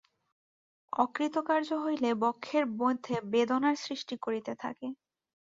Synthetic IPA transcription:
ɔkɾit̪okaɾd͡ʑoɦojlebɔkʰːeɾbod̪ʱːebed̪onaɾsɾiʃʈikoɾit̪et̪ʰa̰ke

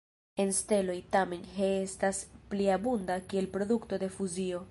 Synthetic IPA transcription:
e̞nste̞lo̞jtame̞nɦeestaspliabundakie̞lpɾo̞dukto̞de̞fuzio̞

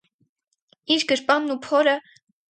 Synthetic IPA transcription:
iɾɡəɾpɑnːupʰɔɾə

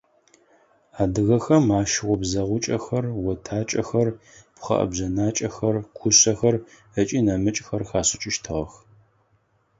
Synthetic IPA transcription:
aːdɨɣɐxɐmaːʃɪʁʷɔbzɐʁʷʊt͡ʃʼɐxɐrwɔtʰaːt͡ʃʼɐxɐr | pχɐ̰ʔɐ̰bʑɐnaːt͡ʃʼɐxɐrkʷʰʊɕɐxɐr | ət͡ʃʼiːnɐmɨt͡ʃʼxɐrxaːsɪt͡ʃʼɪʃtʰɨʁɐx

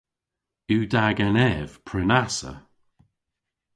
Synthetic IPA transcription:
ʉːdaɡɛnɛv̥pʰɹɪnasə̰

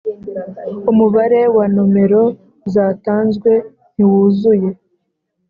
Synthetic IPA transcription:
umuβaɾe̞wanome̞ɾo̞ | zaːtaːnzɡwe̞ | n̥iwuzuje̞

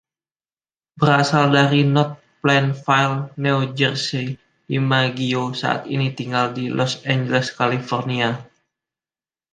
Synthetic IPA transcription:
bəɾasaldaɾinɔt̪̚plɛnfajlniwd͡ʒərsi | imaɡiosa̰ʔa̰t̪ḭnit̪iŋɡaldilʔɔsɛɲd͡ʒəlɛskalifɔrnia

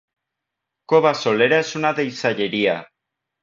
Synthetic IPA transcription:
koβaso̞leɾasunaðejsaʎeɾia

